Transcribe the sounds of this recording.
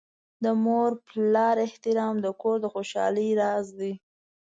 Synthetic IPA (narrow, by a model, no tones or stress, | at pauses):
d̪əmoɾplɑɾɪht̪ɪɾɑmd̪əkoɾd̪əxoʃɑ̰ləjɾɑzd̪i